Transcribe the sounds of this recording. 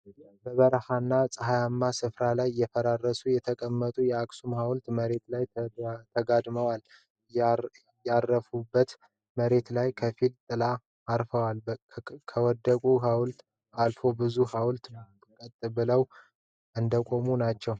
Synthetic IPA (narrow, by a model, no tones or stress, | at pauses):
bəβəɾhanːasʼəɦajamːasɨfɾalajjːɛfəɾarːəsujɛt̪ʰəkʼəmːət̪ʼujɛaksumhawlt̪məɾe̞t̪lajt̪ʰəɡad̪məwal | jarːəfubːət̪ | məɾe̞t̪lajkʰəfilt̪ʼɨlaː | ɾfəwalkʰəwɔd̪ːəkʼuɦawlt̪ | alfo̞bɨzuhawlt̪ | kʼət̪ʼːɨbɨləw | ʔɨnd̪əkʼo̞munat͡ʃːɛw